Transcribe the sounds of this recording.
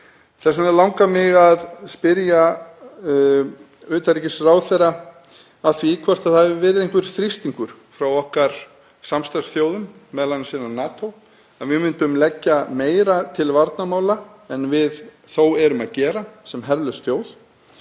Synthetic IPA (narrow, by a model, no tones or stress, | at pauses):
θɛsanɛlawŋkamɪɣaðspɪɾja | ʏːt̪aɾicɪsraːwθɛɾaː | ðθvikʰvɛr̥t̪aðhavɪvɛːɾɪðejŋkvʏɾ̥θɾist̪iŋkʏɾ̥ | fɾawɔhkaɾ̥ | samst̪aɾsθjoːwðʏmːɛðlanːɪsinanaːt̪ow | aðvɪmɪnt̪ʏmlɛcːameːjɾat̪ʰɪlvaɾt̪namaːwlaɛnvɪð | θowɛɾʏmaðcɛːɾasɛmɦɛɾlʏst̪joːwð